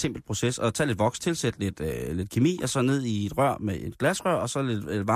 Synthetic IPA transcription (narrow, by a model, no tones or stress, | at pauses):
se̝m̰b̥l̩pʰʁo̝sesɒ̽t͡sʰɛ̰ːle̥ʋɒ̽ɡ̥st͡sʰe̝lsed̥le̝d̥le̝d̥̚kʰemḭːɒ̽sɒ̽ne̝ð̞̰ˠie̝d̥ʁɶɐ̰meʔe̝d̥ɡ̥læsʁɶɐ̰ɒ̽sɒ̽le̝d̥ed̥ʋɑ̈